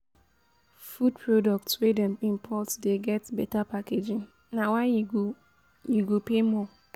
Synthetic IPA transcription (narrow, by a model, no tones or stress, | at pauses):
fud̚pʰɹodɔk̚tswedɛ̃mĩmpʰɔtdeɡɛtbɛtapaked͡ʒɪ̃ŋ | nawaɪ | juɡopemɔ